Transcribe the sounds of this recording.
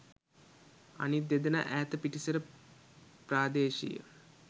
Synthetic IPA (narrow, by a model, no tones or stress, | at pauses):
a̰nit̪̚d̪ed̪ənə̰ʔæːt̪əpiʈisəɾə | praːd̪eːʃḭjə̰